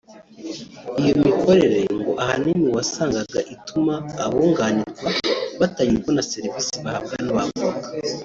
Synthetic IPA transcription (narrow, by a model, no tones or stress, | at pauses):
ijo̞mikʰo̞ɾe̞ɾe̞ŋɡo̞ʔahanimiwasaːŋɡaɡaʔitumaːβoŋɡaːniɾɡwaβataɲikwonase̞ɾivisiβahaβ̚ɡanaβa̰vuakḁ